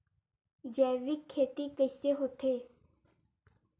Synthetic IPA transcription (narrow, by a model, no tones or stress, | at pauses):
d͡ʒɛːʋikʰːeːt̪iːkəseːɦot̪ʰeː